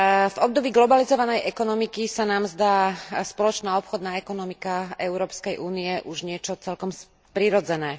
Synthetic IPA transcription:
vɔb̚d̪ɔbiːɡlɔbalizɔʋanɛjʔɛkɔnɔmikisanaːmzd̪aːspɔlɔt͡ʃnaːɔpxɔd̪naːɛkɔnɔmikaɛʊɾɔːpskɛjʔuːniɛʔuʒɲɪɛt͡ʃɔt͡sɛlkɔms | pɾiɾɔd͡zɛnɛː

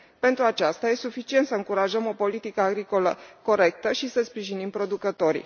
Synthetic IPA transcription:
pe̞nt̪ɾuat͡ʃast̪ajesufit͡ʃient̪səɨŋkuɾaʒəmo̞po̞lit̪ikəaɡɾiko̞ləko̞ɾe̞k̚t̪əʃisəspɾiʒinimpɾo̞d̪ukət̪o̞ɾḭ

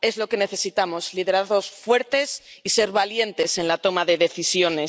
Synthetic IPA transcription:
e̞zlo̞ke̞ne̞θe̞sit̪amo̞zliðe̞ɾaθo̞sfwe̞ɾt̪e̞sise̞ɾβalje̞nt̪e̞se̞nlat̪o̞maðe̞ðe̞θisjo̞ne̞

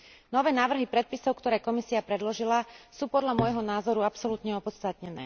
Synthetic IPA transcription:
nɔʋɛːnaːʋr̩ɦipɾɛt̪̚pisɔʊkt̪ɔɾɛːkɔmisiapɾɛd̪lɔʒilasuːpɔd̪ʎamʊɔjɦɔnaːzɔɾuapsɔlut̪ɲɛɔpɔt̪st̪at̪ɲɛnɛ̰ː

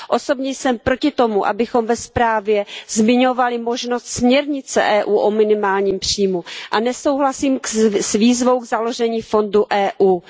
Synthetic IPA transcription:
ʔo̞so̞bɲɛjsɛmpɾo̞cɪt̪o̞muʔa̰bɪxo̞mvɛspɾaːvjɛzmɪɲo̞valɪmo̞ʒno̞st̪smɲɛɾɲɪt͡sɛ̰ʔɛːʔuːʔomɪnɪmaːlɲiːmpr̝̥ijmuʔanɛso̞wɦlasiːmsviːzvo̞wɡzalo̞ʒɛɲiːfo̞nduʔɛːʔuː

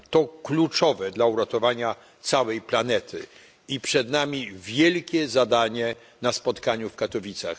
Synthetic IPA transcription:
t̪ɔklut͡ʂɔvɛd̪lauɾat̪ɔvaɲa | t̪sawɛjplanɛt̪ʰɘ̰ | ipʂɛd̪namʲivʲjɛlkʲɛzad̪aɲɛ | naspɔt̪kaɲufkat̪ɔvʲit̪sa̰x

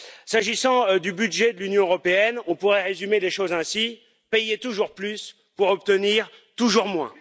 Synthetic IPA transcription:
saʒisɑ̃d̪ybyd̪ʒɛd̪əlynjɔ̃øʁɔpeɛnɔ̃puʁɛʁezymeleʃozɛ̃si | pɛjet̪uʒuʁplys | puʁɔp̚t̪əniʁt̪uʒuʁmwɛ̰̃

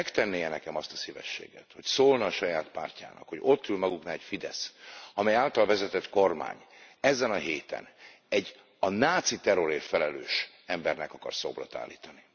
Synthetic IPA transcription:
ɛkt̪ɛnːeːjɛnɛkɛmɒst̪ɒ̥sivɛ̰ʃːḛːɡɛt̪ho̞csoːlnɒːʃɒjaːt̪pa̰ːrca̰ːnɒ̰kho̞ɟo̞t̪ːylmɒɡuknaɛcfid̪ɛsɒmɛjaːlt̪ɒlvɛzɛt̪ɛt̪ko̞rma̰ːɲɛzɛnɒɦeːt̪ɛ̰n | ɛɟː | ɒnaːt̪sit̪ɛɾoɾeːfɛlɛløːʃ | ɛmbɛrnɛkɒkɒ̰rso̰ːblot̪a̰ːlːiːt̪ɒni

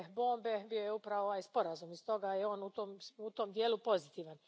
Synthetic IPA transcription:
bo̞ːmbebijo̞jeupɾaʋooʋaːjspo̞ɾazumist̪o̞ɡajeo̞ːnut̪omut̪omd̪jeːlupo̞zit̪iːʋan

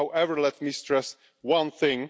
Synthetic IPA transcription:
awʔɛvə˞lɛt̚mistɹ̥ɛs | wʌ̃nθɪ̃ŋ

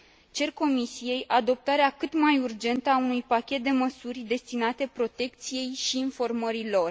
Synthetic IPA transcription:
t͡ʃe̞rko̞misije̞jʔad̪o̞p̚t̪aɾeakɨt̪majurd͡ʒe̞nt̪əaunujpakʲe̞t̪̚d̪e̞məsurʲd̪e̞st̪inat̪e̞pɾo̞t̪e̞k̚t̪sije̞jʃiːnfo̞rməɾilo̞r

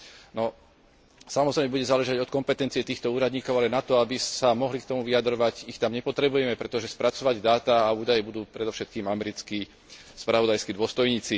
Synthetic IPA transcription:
nɔ | samɔzɾɛɪjmɛbuɟɛzaːlɛʒaɟɔt̪kɔmpɛt̪ɛnt͡siɪɛt̪iːxt̪ɔuːɾad̪ɲiːkɔʊalɛnat̪ɔabisamɔɦlikt̪ɔmuʋiad̪ɾɔʋaɟixt̪amɲɛpɔt̪ɾɛbujɛmɛpɾɛt̪ɔʒɛspɾat͡sɔʋaɟd̪aːt̪aːuːd̪ajɛbud̪uːpɾɛd̪ɔfʃɛt̪̚kiːmamɛɾit͡ski | spɾaʋɔd̪ajskid̪ʊɔst̪ɔjɲiːt͡si

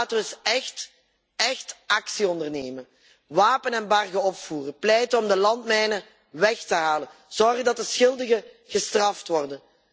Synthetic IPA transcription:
tːsɛxt | ɛxtʔɑksiɔndərneːmən | ʋaːpənɛnbɑrɣəɔpfuːrəplɛjtəɔmdəlɑntmɛjnə | ʋɛxtəɦaːlənz̥ɔrɣədɑt̚dəsxɪlˠdəɣə | ɣəstrɑftʋɔrdən

